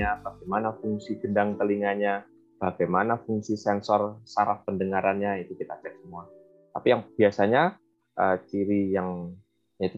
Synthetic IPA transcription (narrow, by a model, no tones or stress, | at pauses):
abaɡajmanafuŋsiɡədaŋt̪əliŋaɲa | b̥aɡajmanafuŋsisɛnsɔrsaɾafpəndəŋaɾanɲait̪ukit̪at͡ʃɛk̚səmua | t̪apijaŋb̥iasaɲa | ʔət͡ʃiɾijaŋ | jait̪u